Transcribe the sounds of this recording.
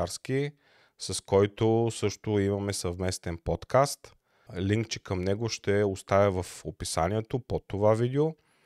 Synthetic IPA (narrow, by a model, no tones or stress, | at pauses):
aɾski | sɐskɔjt̪osɤʃt̪oimɐmɛsɐvmɛst̪ɛnpɔt̪kast̪ | liŋkt͡ʃɛkəmnɛɡoʃt̪ɛost̪avʲəvɐfopisa̰niɛt̪opot̪ovavid̪ɛo